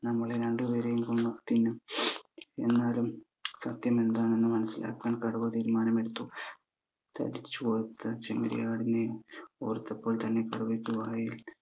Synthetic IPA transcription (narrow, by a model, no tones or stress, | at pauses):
nɐmːɐɭeɾeɳɖɨʋeːɾejumkoɳːut̪inːɨ | e̞̰nːaːlum | sɐt̪jɐme̞nd̪aːɳenːɨmɐnɐsːila̰ːkːaːɳkɐɽuʋɐt̪iːɾmaːnɐme̞ɽut̪ːu | t̪ʰɐ̰ɽit͡ɕːupoːrt̪ːɐt͡ɕemɐ̰ɾḭjaːɽinejo̰ːrt̪ːɐpːo̞ːlt̪ɐnːe̞kɐɽuʋeʈːuʋaːjil